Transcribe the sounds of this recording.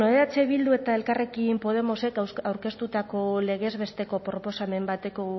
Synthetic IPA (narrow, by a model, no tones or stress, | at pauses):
oeat͡se̞βild̪ue̞t̪ae̞lkare̞kimpo̞ð̞e̞mo̞se̞kawɾke̞st̪ut̪ako̞le̞ɣ̞e̞zβe̞st̪e̞ko̞pɾo̞po̞same̞mbat̪e̞ko̞ɣ